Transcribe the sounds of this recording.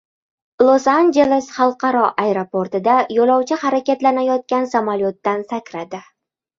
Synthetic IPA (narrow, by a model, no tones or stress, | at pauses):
lˠosand͡ʒe̞lˠesχɑlˠqʰɑɾɒʔaeɾopoɾt̪ɪd̪ajolˠɒwt͡ʃʰɪhaɾakʲat̪lanajɒt̪̚kʲansamalʲot̪ːansakʲɾad̪ɪ